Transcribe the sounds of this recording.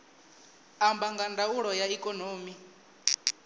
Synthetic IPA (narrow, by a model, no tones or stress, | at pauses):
ambaŋɡandauɺɔjaikʼɔnoːmi